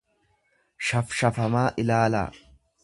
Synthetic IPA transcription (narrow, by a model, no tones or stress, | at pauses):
ʃɐfʃɐfɐmaːʔɪlaːla̰ː